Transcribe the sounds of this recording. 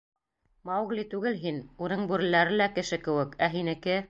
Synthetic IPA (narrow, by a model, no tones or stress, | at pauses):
mɑwɣlʲit̪ʉɡɘlɦinunɤɴbʉɾɘ̆læɾɘ̆lækɘ̆ʃɘkɘ̆wɘ̆kæɦinɘ̆kɘ